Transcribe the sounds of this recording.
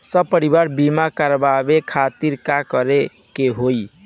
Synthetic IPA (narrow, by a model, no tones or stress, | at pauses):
səbpəɾibaɾbimakəɾbabekʰat̪iɾkakəɾe | keɦoj